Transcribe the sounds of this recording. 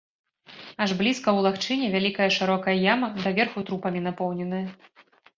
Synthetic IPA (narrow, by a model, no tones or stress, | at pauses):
aʐblʲiskɐwlˠaxt͡ʂɨnʲɛvʲalʲikɐjɐʂɨɾɔkɐjɐjamɐd̪ɐvʲɛrxut̪ɾupɐmʲinapɔwnʲɛnɐjɐ